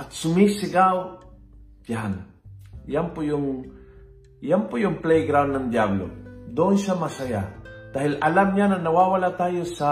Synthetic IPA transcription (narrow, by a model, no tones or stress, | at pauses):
at̪sʊmisɪɡaw | t̪aɦan | jampʊjʊŋ | jampʊjʊŋplejɡɾawnːand̪jablo̰d̪onʃamasajat̪aɦɪlalamɲananawawalat̪ajosa